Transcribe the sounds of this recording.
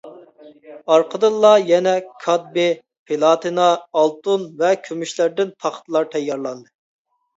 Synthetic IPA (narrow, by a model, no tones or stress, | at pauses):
ɑɾqʰəd̪ɨlˠːɑjɛnɛkʰɑd̪̚be | pʰelˠɑt̪ʰinɑːlˠt̪unvɛkʲʰømyʃlæɾd̪ɪnt̪ʰɑχt̪lˠɑɾt̪ʰɛjːɑɾlˠɑnd̪ɨ